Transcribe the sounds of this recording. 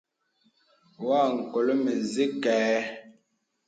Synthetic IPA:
waː˦˨ŋ̩˨ko˨lo˦me˨zi˦kɛː˨˦

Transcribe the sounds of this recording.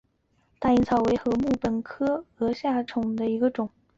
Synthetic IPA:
t̪a˥˩˧i˥˩nt͡sʰɑ˨˩ʊwe˧˥ɪxɤ˧˥mu˥˩pə˨˩nkʰɤ˥ɤ˧˥ɕja˥˩ʈ͡ʂʰʊ˨˩ŋd̪ə˦i˧˥ɡə˧ʈ͡ʂʊ˨˩˦ŋ

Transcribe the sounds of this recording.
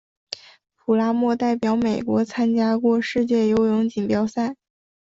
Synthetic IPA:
pʰu˨˩la˥mwɔ˥˧t̪a˥˩ɪpjɑ˧˥ʊme˨˩ɪkwɔ˧˥t͡sʰa˥nt͡ɕja˥kwɔ˥˧ʂɻ̩˥˧t͡ɕjɛ˥˩jo˧˥ʊjʊ˧˥ŋt͡ɕi˨˩ŋpjɑ˨˥ʊsa˥˩ɪ

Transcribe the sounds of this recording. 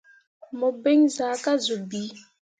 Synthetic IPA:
mə˨be˦ŋza˨˦ka˦zu˨bi˨˦

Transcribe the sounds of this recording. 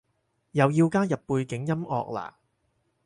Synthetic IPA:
jɐ˨˧wjiː˧wkaː˥jɐ˨pːuː˧jkɪ˨˥ŋjɐ˥mɔ̰ː˨˧k̚la̰ː˨˩

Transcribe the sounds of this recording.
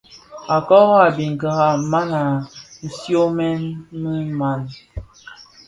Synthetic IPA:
a˨kɔ˦ɣa˨bi˨ŋ˨ɡa˨ɣa˨ma˦na˨n̩˨sjo˦mɛ˦nmə˦ma˨n

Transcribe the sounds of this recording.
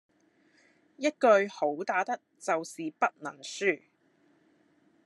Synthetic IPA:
jɐ˥t̚kɵ˧ɥho˨˥wt̪aː˨˥t̪ɐ˥k̚t͡sɐ˨wsiː˨pɐ˥t̚nɐ˨˩nsyː˥˩

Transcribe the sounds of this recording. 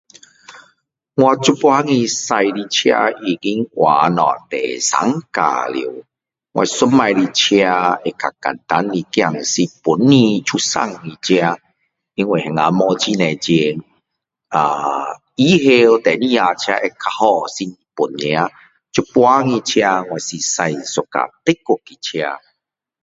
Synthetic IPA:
ŋwa˧t͡ɕu˦pwa˦ŋĩ˧sa˧jli˧t͡ɕʰja̰˧i˧˩ɡi˦ŋwʔa˨˦nɔ̰̃˨t̪ɛ̰˨sa̰˨˦ŋka̰˨lḭ˨ | ŋwʔa̰˧i˧sʊ˦mma˧jɾi˧t͡ɕʰja˧e˧ka̰˨˩ka̰˨nt̪a˦nli˧kja˧ŋ˨si˧pu˨˦nːĩ˧t͡ɕʰu˧sa̰˦˧˨ŋːĩ˧t͡ɕʰja˧ | i˧nwi˨hɛ˨ŋa˨˧˦mɔ˧t͡ɕi˦nɛ̃˨t͡ɕe˧ŋ | a˨˩ | i˦ɦe˧o˧t̪ɛ˨˦nĩ˧a˧t͡ɕʰja˧ʔe˧kʰa˧hɔ˧si˧ | pu˨˩ñː˧a˧˦ | t͡ɕu˦pwa˦ŋĩ˧t͡ɕʰja˧ŋwa˨˩jsi˨sa˧jso˨ka̰˨t̪e˦ko˨˧kːi˨t͡ɕʰja˧

